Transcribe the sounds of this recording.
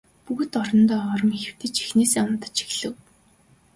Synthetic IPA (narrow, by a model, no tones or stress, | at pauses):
puɣɘ̆t̪ɔɾɞ̆nt̪ɔːɔɾɞ̆mixɘ̆w̥t̪ɘ̆t͡ɕi̥xneːseːɔnt̪ə̥̆t͡ɕi̥xɮɘ̆w